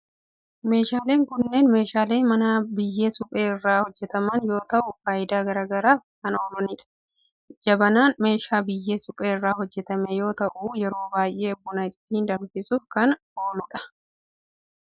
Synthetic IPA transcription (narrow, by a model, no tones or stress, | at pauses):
me̞ːʃaːle̞ːŋkʊnːe̞ːnme̞ːʃaːle̞ːmɐnaːbɪjːe̞ːsʊpʼe̞ːɪrːaːhɔd͡ʒːɛt̪ɐmɐnjo̞ːt̪ɐʔʊfaːjɪd̪aːɡɐɾaːɡɐɾaːhɐno̞ːlʊnɪᶑɐ̥ | d͡ʒɐbɐnaːnme̞ːʃaːbɪjːe̞ːsʊpʼe̞ːɪrːaːɦɔd͡ʒːɛt̪ɐmejo̞ːt̪ɐʔuːjɛɾo̞ːbaːjʔe̞ːɐbːʊnɐɪt̪ːiːnd̪ɐmfɪsuːfkɐn | oːnʊᶑɐ̥